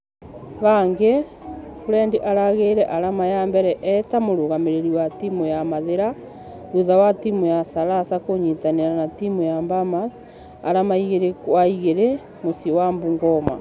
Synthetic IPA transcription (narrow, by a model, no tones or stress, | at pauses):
βaŋɡe | koɾɛndiʔaɾaɣeɾɛʔaɾamajambɛɾɛʔɛtamoɾoɣameɾeɾiwatimujamaðeɾa | ɾuðawatimujasaɾasakoɲitaneɾanatimujambamas | a̰ɾamaiɣeɾekwaiɣeɾe | mosiwambuŋɡɔma